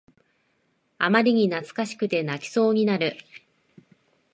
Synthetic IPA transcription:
amaɾʲiɲ̟inat͡sɨ̥kaɕi̥kɯ̟t̪e̞nakʲi̥so̞ːɲ̟inaɾɯ̟

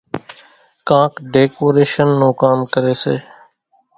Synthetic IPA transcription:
kãːkɖeːkoːɾeːʃənːoːkaːmkəɾeːsḛː

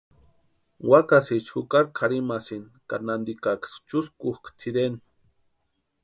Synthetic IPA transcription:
wakasit͡ʃxukaɾkʰaɾimasinkanand̪ikakst͡ʃuskuhkʰt̪ʰid̪en

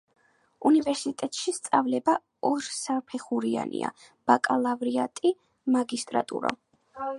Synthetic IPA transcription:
univɛɾsit̪ʼɛt̪ʼʃist̪sʼavlɛba | ɔɾsapʰɛχuɾia̰nḭa̰ | b̥akʼalˠavɾiat̪ʼi | maɡist̪ʼɾat̪ʼṵɾa̰

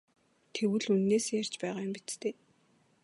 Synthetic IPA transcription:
t̪ʰewɘ̆ɮunːeːsejar̥t͡ɕpæːʁaːjʊmpit͡s̪t̪ʰeː

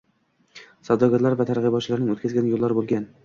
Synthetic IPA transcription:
sawd̪ɒɡʲaɾlaɾvat̪ʰaɾʁɨbɒt̪t͡ʃʰlaɾnɪŋot̪kʲazɡʲanjolˠːaɾbolˠɡʲan

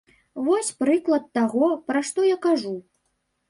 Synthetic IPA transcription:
vɔsʲpɾɨklˠɐt̪ːaɣɔpɾaʂt̪ɔjakaʐu

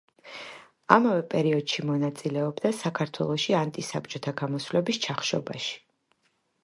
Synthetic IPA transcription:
amavɛpʼɛɾiɔd̪̥ʃimɔnat̪sʼilɛɔbd̪asakʰaɾt̪ʰwɛ̰lˠɔʃiant̪ʼisabt͡ʃʼɔt̪ʰaɡamɔsvlɛbist͡ʃʰaχʃɔbaʃi̥

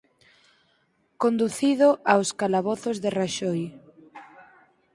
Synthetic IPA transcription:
kond̪uθiðʊʔawskalaβɔθʊzðeraʃɔj

